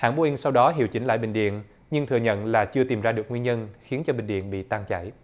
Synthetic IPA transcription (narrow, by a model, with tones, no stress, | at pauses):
ha̰ː˧˩nɓu˧ʔi˧ŋsa˧wɗɔ˨˦ɦḭ˧˩əwt͡ɕï˨˦ŋ̟la̰ː˧˨jɓï˧˨˩ŋ̟ɗḭ˧˨ən | ɲɨ˧ŋt̪ʰɨ˨˩əɲə̰˧˨nlaː˨˩t͡ɕɨ˧ət̪i˨˩mzaː˧ɗɨ˨˩ək̚ŋwi˧nɲə˧nxi˨˦ənt͡ɕɔ˧ɓï˧˨˩ŋ̟ɗḭ˧˨ənɓḭ˧˨t̪aː˧ŋt͡ɕa̰˧˩˨j